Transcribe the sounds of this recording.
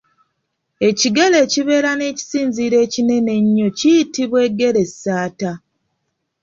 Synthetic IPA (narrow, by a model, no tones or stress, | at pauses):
e̞ciɡe̞le̞ːciβe̞ːɾane̞ːci̥siːnziːɾe̞ːcine̞ne̞ɲːo̞cijitiβwe̞ɡe̞ɾe̞sːaːta